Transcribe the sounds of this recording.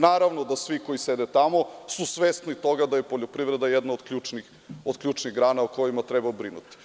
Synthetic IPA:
naːɾaʋnod̪asʋikojised̪et̪amo̞susʋest̪nit̪o̞ɡad̪ajepoʎopɾiʋɾed̪ajɛd̪naod̪kʎuːt͡ʃnix | od̪kʎʲuːt͡ʃniɣɡɾaːnauko̞jimat̪ɾɛbabɾinṵt̪i̥

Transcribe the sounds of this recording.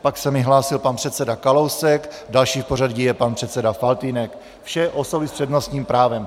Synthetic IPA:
paksɛmɪɦlaːsɪlpanpr̥ɛt̪sɛdakalowsɛkdalʃiːfporadɟijɛpanpr̝̥ɛt̪sɛdafalt̪inɛk | fʃɛʔosobɪspr̥ɛdnost̪ɲiːmpɾaːvɛm

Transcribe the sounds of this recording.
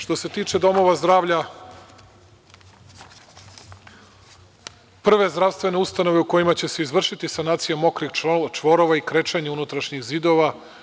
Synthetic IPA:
ʂt̪o̞se̞t̪iːt͡ʃe̞d̪o̞mo̞ʋazd̪ɾaːʋʎa | pr̩ʋe̞zd̪ɾaʋst̪ʋe̞neust̪ano̞ʋe̞uko̞jimat͡ɕe̞seizʋr̩ʃit̪isanaːt̪sijamo̞kɾixt͡ʃʋo̞ɾo̞ʋaikɾet͡ʃaɲeunut̪ɾaʃɲiɣzid̪o̞ʋa

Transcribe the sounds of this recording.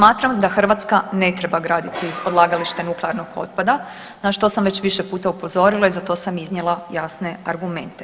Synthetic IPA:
smaːt̪ɾamd̪axr̩ʋat̪skane̞t̪ɾe̞baɡɾaːd̪it̪io̞d̪lˠaːɡaliʃt̪enukleaɾnoɡo̞̰t̪̚pad̪a | naʃt̪o̞samʋe̞t͡ɕʋiʃe̞puːt̪aupo̞zo̞ɾilˠaizat̪o̞ːsamiznjelˠajasne̞a̰ɾɡume̞nt̪e

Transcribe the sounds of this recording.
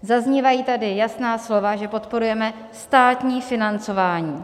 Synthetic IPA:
zazɲiːvajiːt̪adɪjasnaːslo̞vaʒɛpo̞t̪po̞ɾujɛmɛ | st̪aːt̪ɲiːfɪnant͡so̞vaːɲiː

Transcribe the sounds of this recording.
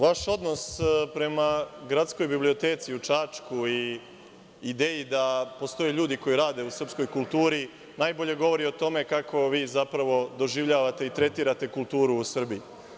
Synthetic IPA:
ʋaʃo̞d̪no̞spɾe̞maɡɾat̪sko̞jbiblio̞t̪e̞ːt̪siut͡ʃaːt͡ʃkuiː | id̪eːjid̪apo̞st̪o̞jeʎuːd̪iko̞jiɾaːd̪e̞usr̩psko̞jkulˠt̪uːɾi | naːjbo̞ʎe̞ɡo̞ʋo̞ɾio̞t̪o̞me̞kakʰo̞ʋiːzapɾaʋo̞d̪o̞ʒiʋʎaːʋat̪e̞it̪ɾe̞t̪iːɾat̪e̞kulˠt̪uːɾuːsr̩bii

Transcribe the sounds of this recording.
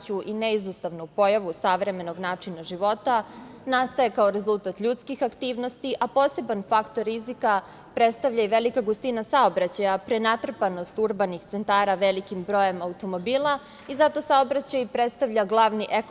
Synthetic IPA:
t͡ɕuʔineizust̪aʋnupo̞jaʋusaʋɾe̞me̞no̞ɡnaːt͡ʂinaʒiʋo̞t̪anast̪ajekao̞ɾe̞zulˠt̪at̪ʎut̪skixakt̪iːʋno̞st̪iʔapo̞ːse̞banfakt̪o̞ɾːizika | pɾe̞t̪st̪aʋʎaiʋe̞likaɡust̪inasao̞bɾat͡ɕajapɾenat̪r̩pano̞st̪uɾbanixt̪se̞nt̪aːɾaʋe̞likimbɾo̞je̞maut̪o̞mo̞biːlˠa | izat̪o̞saobɾat͡ɕajpɾet̪st̪aʋʎaɡlˠaʋniʔek

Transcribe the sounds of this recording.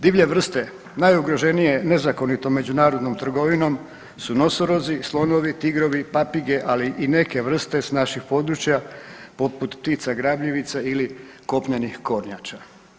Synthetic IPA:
d̪iːʋʎe̞ʋr̩st̪e̞ | najuɡɾo̞ʒe̞nije̞ne̞zako̞nit̪o̞mːe̞d͡ʑunaːɾo̞d̪no̞mt̪r̩ɡo̞ʋino̞m | suno̞soɾo̞zislˠo̞no̞ʋit̪iɡɾo̞ʋipapiɡe̞ʔaliʔine̞ke̞ʋr̩st̪e̞snaʃixpo̞d̪ɾut͡ʃjapo̞put̪pt̪it̪saɡɾaːbʎiʋit̪sailiko̞pɲenixko̞ɾɲat͡ʃa

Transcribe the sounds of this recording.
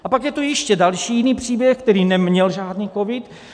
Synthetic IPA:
ʔapakjɛt̪ujɪʃcɛdalʃiːjɪniːpr̥iːbjɛxk̚t̪ɛɾiːnɛmɲɛlʒaːdniːkovɪt̪

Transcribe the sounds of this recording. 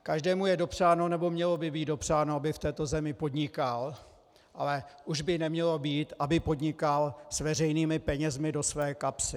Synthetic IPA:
kaʒdɛːmujɛdo̞pr̝̥aːno̞nɛbo̞mɲɛlo̞bɪbiːt̪do̞pr̝̥aːnoabɪft̪ɛːt̪o̞zɛmɪpo̞dɲɪkal | ʔalɛʔuʒbɪnɛmɲɛlo̞biːt̪ʔabɪpo̞dɲɪkalsvɛrɛjniːmɪpɛɲɛzmɪdo̞svɛːkapsɪ

